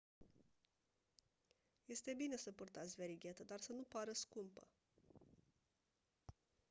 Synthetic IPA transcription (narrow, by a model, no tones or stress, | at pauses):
je̞st̪e̞bine̞səpurt̪at̪sʲveɾiɡʲet̪əd̪arsənupaɾəskumpə̰